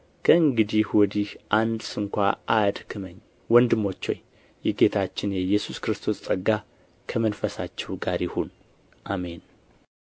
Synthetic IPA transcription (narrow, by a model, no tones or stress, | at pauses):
kʰəɨŋɡɨd̪ihwɔd̪ihʔand̪sɨŋkʷaʔad̪kʰɨməɲː | wɔnd̪ɨmːo̞t͡ʃːoɲ | jɛɡe̞t̪ʰat͡ʃːɪnjɛjɛsuskɨɾɨst̪ʰo̞st͡sʼəɡa | kʰəmənfəsat͡ʃːɛwɡaɾjɪhon | ʔame̞n